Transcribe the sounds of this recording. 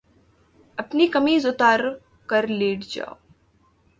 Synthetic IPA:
ɐpnikɐmizʊt̪aːɾ | kɐɾleːʈd͡ʒa̰ːo

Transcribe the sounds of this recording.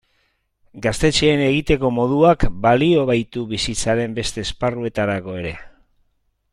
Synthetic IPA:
ɡast̪e̞t͡ʃe̞ːne̞ɣ̞it̪e̞ko̞mo̞ð̞uakbalio̞β̞ajt̪uβisit͡saɾe̞mbe̞st̪e̞ːsparue̞t̪aɾako̞e̞ɾe̞

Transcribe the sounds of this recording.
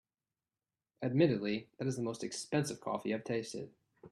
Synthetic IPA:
ɨd̚mɪɾɨdˡliðɨɾɨzðəmoʊstɨkspɛ̃nsɨv̥kʰɔ̰fiɨɪv̥tʰeɪstɪ̰d̥̚

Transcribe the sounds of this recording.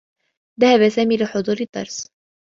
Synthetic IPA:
ðahaβasaːmiːlɪħʊd̪ˤuːɾɨd̪ˤːɑ̰ɾˤs

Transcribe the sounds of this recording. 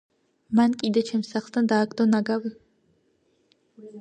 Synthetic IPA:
mankʼid̪ɐt͡ʃʰɛmsaχst̪ʰɐnd̪aːkʰʼd̪onaɡabɨ

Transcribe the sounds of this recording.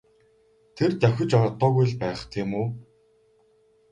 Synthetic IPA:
t̪ʰert̪axʲɪ̆t͡ɕɔt̪ːɔːɣujɮpæːχt̪ʰiːmuː

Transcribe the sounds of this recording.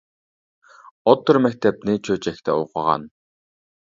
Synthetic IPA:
ɔt̪ːɞ̆rmækt̪æp̚neːt͡ɕʰoːt͡ɕæxt̪ʰḛːʊ̰χa̰ʁa̰ːn

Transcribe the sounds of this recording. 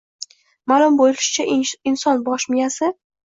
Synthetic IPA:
malˠʊmbolɪɪʃɪ̥t͡ʃʰaɪnsɒnbɒʃmɪjasɪ

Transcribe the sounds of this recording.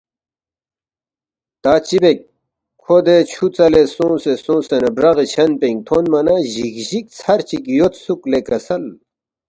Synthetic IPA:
t̪aːt͡ɕibek̚ | kʰod̪et͡ɕʰut͡sɐlesõːsesõːsenebɾɐɣit͡ɕʰɐnpẽŋɡ̚t̪ʰonmɐnaʑikʑik̚t͡sʰɐɾt͡ɕikjot̪suklekɐsɐl

